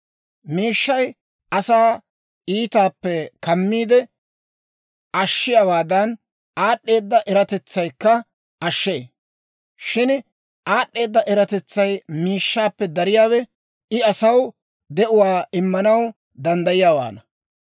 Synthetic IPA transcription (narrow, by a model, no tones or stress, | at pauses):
miːʃːɐj | ʔɐsaː | iːt̪aːpːɛkɐmːiːd̪ɛ | ʔɐʃːɪjaːwaːd̪ɐn | aːɗːe̞ːd̪ːɐʔɛɾɐt̪ɛt͡sːɐjkːɐ | ɐʃːeː | ʃɪn | ʔaːɗːe̞ːd̪ːɐʔɛɾɐt̪ɛt͡sːɐjmiːʃːaːpːɛd̪ɐɾɪjaːwɛ | ɪɐsɐw | d̪ɛʔʊwaːʔɪmːɐnɐw | d̪ɐnd̪ɐjɪjaːwa̰ːnɐ